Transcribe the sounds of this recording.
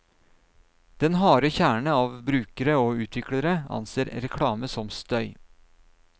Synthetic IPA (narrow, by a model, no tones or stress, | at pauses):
d̪̥ɛnhɑːɾəçæːɳəɑːʋbɾʉːkəɾəoːʉːt̪ʰʋɪkɽəɾəɑ̰nseːɾɾɛkʰɽɑːməsɔmst̪œʏ